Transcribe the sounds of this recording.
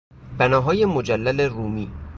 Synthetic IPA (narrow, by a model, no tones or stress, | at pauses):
b̥ænɒːɦɒːjemod͡ʒælːæleruːmiː